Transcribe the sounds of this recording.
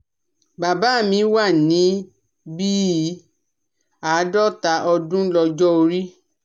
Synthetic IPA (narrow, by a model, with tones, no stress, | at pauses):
ba˨ba˨˦˨mĩ˧˦wa˦˨nĩ˨˦ | bi˦˨˦ | a˨˦dɔ˦ta˨˦ʔɔ˧dũ˦lɔ˧d͡ʒɔ˦o˧ɾi˦